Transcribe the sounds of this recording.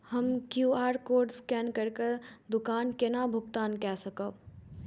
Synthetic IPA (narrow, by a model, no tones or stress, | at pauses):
həmkjuːaːɾkoːɾɖskɛːnkəɾked̪ʊkaːnkenabʱʊɡt̪aːnkɛsəkəb